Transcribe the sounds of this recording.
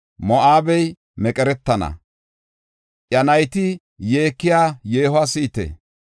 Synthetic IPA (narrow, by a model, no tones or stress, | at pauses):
mɔʔaːbɛj | mɛkʼɛɾɛt̪ːɐnɐ̰ | ʔjɐnɐjt̪ɪ | jeːkːɪjaːjeːhasiːt̪ḛ